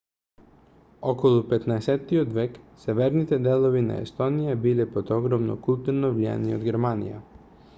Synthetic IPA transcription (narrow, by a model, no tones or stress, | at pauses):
ɔkɔlˠupɛt̪naɛsɛt̪ːiod̪vɛksɛvɛɾnit̪ɛd̪ɛlˠovina̰ɛ̰st̪ɔnijabilɛpɔd̪ɔɡɾɔmnɔ̰kulˠt̪uɾnɔvlia̰niod̪ɡɛɾmanḭja̰